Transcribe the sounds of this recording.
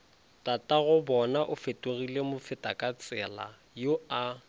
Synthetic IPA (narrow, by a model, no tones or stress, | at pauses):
tʼatʼaɣʊbɔnaʔʊfetʼoɣilemʊfɪtʼakʼat͡sʼɛla̰ | joa